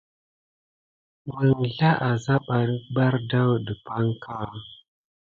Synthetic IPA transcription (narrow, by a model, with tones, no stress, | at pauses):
mə˨ŋɮa˦ʔa˨za˦ɓa˨˦ba˦ɾda˦wdə˨pa˦ŋkʰa˦˨